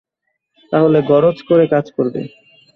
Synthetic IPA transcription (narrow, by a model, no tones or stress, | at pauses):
t̪aɦoleɡɔɾod͡ʑkoɾekad͡ʑkoɾbḛ